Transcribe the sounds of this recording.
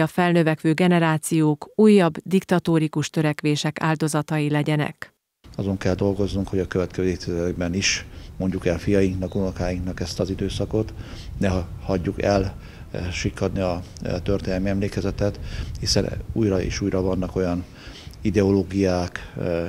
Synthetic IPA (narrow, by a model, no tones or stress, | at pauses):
ɒfɛlnøvɛkʋøːɡɛnɛɾaːt̪sijoːkuːjːɒbd̪ikt̪ɒt̪oːɾikuʃt̪ø̞ɾɛkʋeːʃɛka̰ːld̪o̞zɒt̪ɒjilɛɟɛnɛ̰k | ɒzo̞ŋkɛld̪o̞lɡo̞znuŋkhoɟɒkø̞vɛt̪kɛzøet̪izɛɡbɛniʃmo̞ɲɟukɛlfijɒjiŋknɒkunɔkaːjiŋknɒkɛst̪ɒzid̪øːsɒko̞t̪ | nɛɦhɒɟːukɛl | ʃikːɒd̪niɒ | t̪ørt̪eːnɛlmiɛmleːkɛzɛt̪ɛt̪hisɛ̰nuːjɾɒḛːʃuːjɾɒvɒnːɒko̞jɒn | id̪ɛoloːɡijaːk